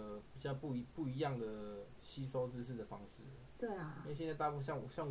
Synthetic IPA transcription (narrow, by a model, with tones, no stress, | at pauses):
pi˨˩t͡ɕjɑ˥˧ʊpu˥˩i˧˥pu˥˩i˧˥jɑ˥˨˩ŋd̪ə˩ | ɕi˦˥so˥ʊt͡sɻ̩˥˧ʂ̬̩˥˩d̪ə˩fɑ˦ŋʂɻ̩˥˩˨t̪we˥˩ɪ˩˥˧ɕnt͡sa˥˧t̪a˥˧pu˥˧ɕjŋ˧ɕjɑ˥˨ŋ